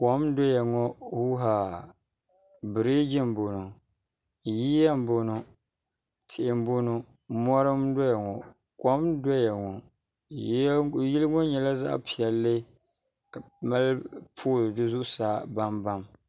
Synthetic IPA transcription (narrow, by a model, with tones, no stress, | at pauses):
kɔ˨˦mdɔ˦ja˨ŋɔ˦hu˦ɦa˨ | bɨ˨ɾe˦d͡ʒɪ˦mbo˨no˨ | ji˦ja˦m˦bo˨no˨ | tʰɪ˨ʔɪ˨m˦bo˦no˦ | mɔ˦ɾa˦mdɔ˦ja˨ŋɔ˨ | kɔ˨˦mdɔ˦jɛ˨ŋɔ˨˦ | ji˦lɨ˦ŋɔ˦ɲɛ˨la˦za̰˦ʔpʰi˨ɛ˨lːɨ˦ | ka˨ | ma˦lpʰuː˦˨ldɨ˦zʊ˦ʔʊ˦saː˦ba˦mba˦m